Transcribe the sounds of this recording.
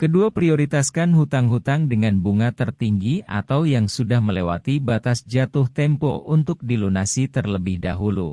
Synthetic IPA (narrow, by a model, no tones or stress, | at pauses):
kəduapɾioɾit̪askanɦut̪aŋɦut̪aŋdəŋanbuŋat̪ərt̪iŋɡia̰t̪awjaŋsudahməlewa̰t̪ibat̪asd͡ʒat̪ʊht̪ɛmpɔ̰ʔunt̪ʊk̚dilonasit̪ərləbɪhdaɦulṵ